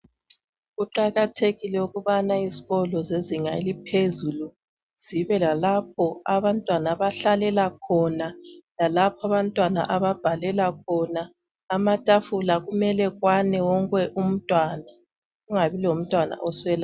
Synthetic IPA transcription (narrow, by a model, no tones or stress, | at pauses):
ɣuǃaɣatʰeɣilɛuɣuβanaiziɣɔlɔzeziŋaelipʰezulu | z̥iβɛlalap̚ʰɔaβantʼwanaβaɬalɛlak̚ʰɔnalalapʰaβantʼwana̰ʔaβab̥ʱalɛlak̚ʰɔnaː | matʼafulaɣumɛlɛɣwanɛwɔŋkʼɛʔum̩tʼwana | ɣuŋaβilom̩tʼwana̰ʔɔswɛla